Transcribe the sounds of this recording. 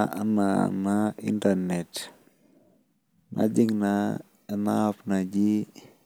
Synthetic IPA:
ana̰naḭntaɾnɛt | nʔa̰d͡ʒiŋna | napnad͡ʒi

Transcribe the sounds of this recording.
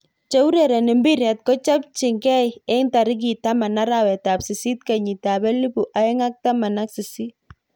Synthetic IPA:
t͡ʃɛwuɾɛɾɛnɪmbiɾɛt̚kɔt͡ʃap̚t͡ʃɪŋɡɛjɛŋtaɾɪk̬itamanaɾawɛtapsisit̚kaɲitabɛlibuʔaɛŋak̚tamanaksɪsi

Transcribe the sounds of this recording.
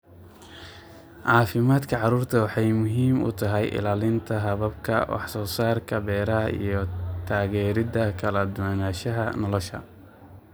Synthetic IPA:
ʕɑːfɪmaːd̪kʰɐʕɑruːrt̪ʰɐwɑħɑjmʊɦiːmʊ̰t̪ʰɐɦɛjʔɪ̰laːlɪnt̪ʰɐɦɐβɐbkʰɐ̰wɑ̰ħsɔːsaːrkʰɐbɛːɾɐɦɐḭjɞt̪ʰaːɣɛːɾɪdɐkʰɐlɐd̪ʊwanaːʃɐɦɐnɔlɔʃɐ̰

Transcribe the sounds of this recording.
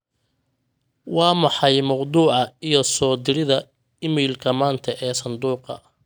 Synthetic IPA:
wɑːmɑħɑjmɑwd̪uːʕɑijɞsɔːd̪ɪɾɪðɐ | ɪmiːlkʰɐmaːnt̪ʰɐʔɛːsɐnd̪uːqɑ̰

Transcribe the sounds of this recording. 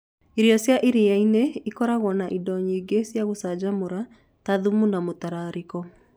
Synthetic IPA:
iɾiɔsjaʔiɾijaineikɔɾaɣwɔnaʔidɔɲiːɡesjaɣosad͡ʑamoɾa | taðumunamotaɾaɾikɔ

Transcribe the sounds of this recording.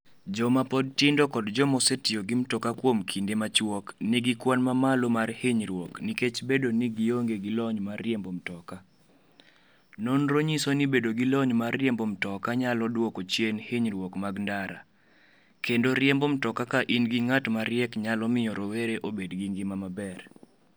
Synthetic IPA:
d͡ʒɔmapɔd̚tɪndɔkɔdd͡ʒɔmɔsetɪoɡimtɔkakwomkʰindemat͡ʃwɔkniɡikwanmamalomarheɲɾwɔkniket͡ʃbedoniɡioŋɡeɡilɔɲmarjembomtɔka | nonɾoɲisonibedoɡilɔɲmarːjembomtɔkaɲalɔdwɔkɔt͡ʃjenheɲɾwɔkmaɡndaɾa̰ | kendoɾɪembomtɔkakaʔinɡiŋatmaɾɪɛkɲalɔmɪjɔɾoweɾeʔobedɡiŋɡɪmamabɛr

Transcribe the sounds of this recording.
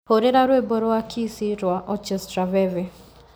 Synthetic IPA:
poɾeɾaɾweboɾɔwakʰisiɾwaʔɔt͡ʃɛstɾavɛvɛ

